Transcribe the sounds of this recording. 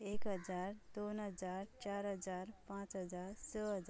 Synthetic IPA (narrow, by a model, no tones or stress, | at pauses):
ekɦəd͡zaɾd̪onɦəd͡zaɾt͡ɕaɾɦəd͡zaɾpãt͡sɦəd͡zaɾsəɦəd͡z